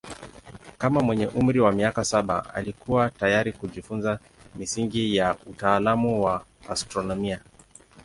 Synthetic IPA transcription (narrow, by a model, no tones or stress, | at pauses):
kamamwɛɲɛʔum̩ɾiwamiakasaɓa̰a̰likuwatajaɾikuʄifunza | misiŋɡijautaːlamuwaː | stɾɔnɔmia